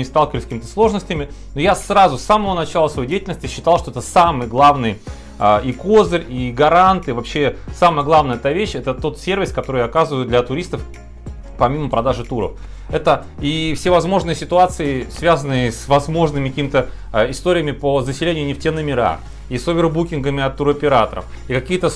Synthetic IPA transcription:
ɪst̪alˠkɪvəlʲɪsʲkʲimɪt̪ə̥slˠo̞ʐnəsʲtʲɪmʲɪ | nojasrazʊsːaməvənɐt͡ɕalˠəsvɐjedʲejɪtʲɪlʲnəsʲtʲɪɕːɪ̥t̪alˠʂt̪oɛt̪əsamɨjəɡlˠavnɨj | aʔiko̞zɨrʲiɡɐɾant̪ɨvɐpɕːesaməjəɡlˠavnəjəɛt̪avʲeɕɛt̪ət̪o̞t̪sʲe̞rvʲɪskɐt̪o̞ɾɨjɐkazɨvəjʊd̪lʲɐt̪ʊɾʲist̪əf | pɐmʲiməpɾɐd̪aʐɨt̪uɾə̰f | ɛt̪ə | ifsʲevɐzmo̞ʐnɨjəsʲɪt̪ʊat̪sɨɪsvʲazənːɨjəsvɐzmo̞ʐnɨmʲɪkɐkʲimt̪ə | ɪst̪o̞ɾʲɪjəmʲɪpəzəsʲɪlʲenʲɪjʊnʲɪftʲenːəmʲɪɾa̰ | isovʲɪrbukʲɪnɡəmʲɪɐt̪ːuɾɐpʲɪɾat̪əɾə̰f | ikɐkʲijət̪ə

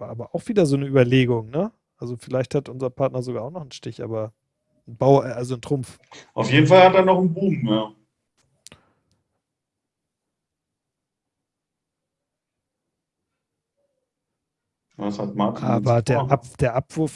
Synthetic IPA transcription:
vaːʔaːbɐʔaʊxv̥iːdɐzoːnəyːbɐleːɡʊŋnə | ʔalzofɪlaɪçthatʔʊnzɐpʰaɐtnɐzoɡaːaʊxnɔχn̩ʃtɪçʔa̰ːbɐ | n̩baʊalzontʁ̥ʊmf | ʔaʊfjeːdn̩falhateːɐnɔχn̩buːmjaː | jashat̚makaːbɐdeːɐʔad̥eːɐʔapv̥ʊɐf

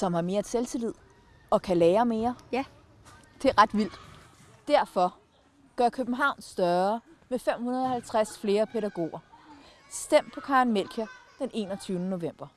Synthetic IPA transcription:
sɒ̽mhɑ̈me̝ːɐt͡sʰelsʰilið̰ˠ | ɒ̽kʰælɛːɐme̝ːɐ | d̥e̝ɐʁɑ̈d̥ʋil̰d̥ | d̥æɐ̰fɒ̽ | ɡ̥ɶɐkʰøb̥n̩ɦɑ̈ʊ̰nsd̥ɶɐmefem̰hunɐð̞ˠɒ̽hælt͡sʰʁasfle̝ːɐpʰeɾæɡ̥o̝̰ːɐ | sd̥em̰̥̚pʰɒ̽kʰɑ̈ːnmel̰kʰæd̥ene̝̰ːnɒt͡sʰyːʊnəno̝ʋem̰b̥ɐ

